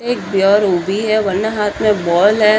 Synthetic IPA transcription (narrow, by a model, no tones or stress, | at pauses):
eːk̚bjɔːɾubʱiɦɛʋɐnːəɦaːt̪ʰmẽbɔːlɦɛ